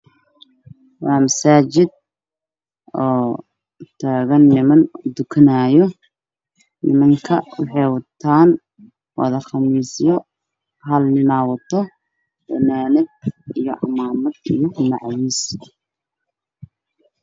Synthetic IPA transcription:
wɑːmɐsaːt͡ʃɪd̪̚ | ɔː | t̪ʰaːɣɐnːɪmɐnd̪ʊkʰɐnaːjɔ | nɪmɐŋkʰɐwɑħɑjwɑt̪ʰaːn | wɑ̰ðɐχɑmiːsjɔ | ɦɐlnɪnaːwɐt̪ʰɔ | b̥ɐnaːnɪd̪̚ijɔʔɑ̰maːmɐd̪ijɔmɑʕwiːs

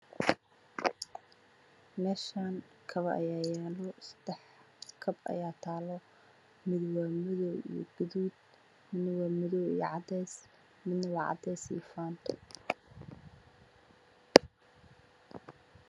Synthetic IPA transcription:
mɛːʃaːŋ | kʰɐβɐʔɐ̰jaːjɛːlɔsɐ̥d̪̥ɛħ | kʰɐbɐ̰jaːt̪ʰaːlɔ | mɪðwaːmɪðɔwḭjɔ̰ɡ̥ɐðuːd̪̚ | mɪd̪nɐwɑːmɪðɔwḭjɔ̰ʕɑd̪ɛjs | mɪd̪nɐwɑːʕɑ̰d̪ɛsḭjfaːnt̪ʰ

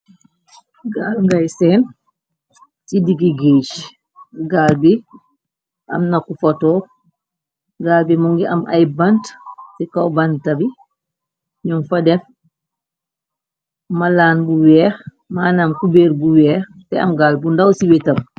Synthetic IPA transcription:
ɡaːlŋɡajsɛn | sidiɡiɡeːʃ | ɡaːlbi | ʔɐ̰mnakufotɔː | ɡaːlbimuŋɡiʔɐ̰mʔa̰jbantsikawbantɐbi | ɲɔmfadɛf | malaːnbuwɛːx | maːnamkubeːɾbuwɛːx | tɛɐ̰mɡaːlbundawsiwɛtɐm

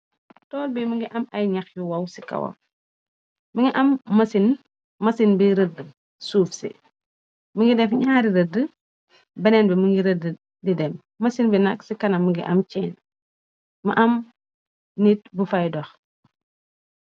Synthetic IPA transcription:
tɔːlbiməŋɡiʔɐmɐjɲɐxjuwɐwsi̥kɐ̰wɐ̰ | məŋɡiʔɐmːɐsin | mɐsinbiɾədə | suːfsḭ | məŋɡidɛfɲaːɾiɾədə | bɐnɛːnbɛməŋɡiɾədə | didɛmːmɐsinbinɐksikɐnɐmːəŋɡiʔɐmt͡ʃɛːn | mɐʔɐm | nit̚bufajdɔx

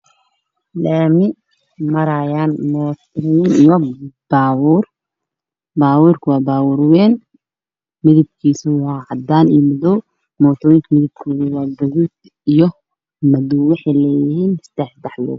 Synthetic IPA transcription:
laːmɪ | mɐɾajaːnmɔːt̪ʰjɪnijɔb̥aːwuːr | baːwuːrkʰʊwɑːbaːwʊɾwɛːn | mɪðɪb̚kʰiːsʊwɑːʕɑd̪aːnḭjɔmʊðɔw | mɔːt̪ʰɔːjɪŋkʰɐmɪðɪb̚kʰɔːðʊwɑːdɔɣud̪ | ijɔ | mɐðɔwwɑħɑjlɛːjɪɦiːnst̪ɛːħd̪ɛħlɔ̰ː

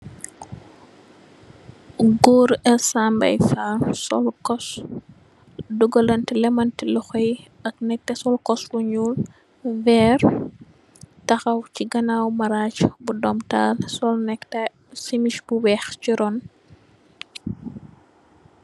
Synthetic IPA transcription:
ɡɔːɾɛlsambɐ̰jfalsɔ̰lkɔs | duɡɐlɐntilɛmɐntilɔxɔj | ɐknɛk̚tɛsɔlkɔsluɲuːl | vɛːɾ | tɐxɐwciɡɐnawmɐɾaːt͡ʃbudɔmtaːlsɔlnɛktɛ | simiʃbuwɛːxt͡ʃiɾɔn

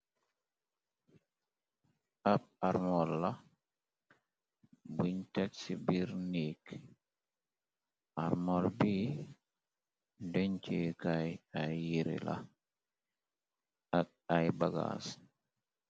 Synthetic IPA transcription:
aɓaɾmɔlːa | biɲtɛksibiɾnik | ʔaɾmɔlbi | dɛɲt͡ʃekajajiɾḭla̰ | aɓ | ajbaɡa̰s

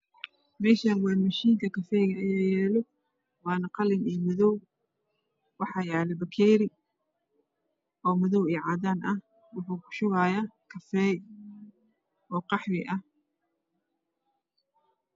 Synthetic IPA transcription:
mɛːʃanwɑːmɐʃiːŋkʰɐkʰɐfɛːɣɐɐjajjɛːlɔ | wɑːnɐqɑlɪniːmʊðɔw | wɑħɑːjɛːlɛbɐkʰɛːɾɪ | ʔɔːmʊðɔwiːʕɑːd̪aːnʔɐh | wʊħuːkʰʊ̥ʃʊɣaːjaːkʰɐfɛːj | ʔɔːqɑħwɪ̰ʔɐh

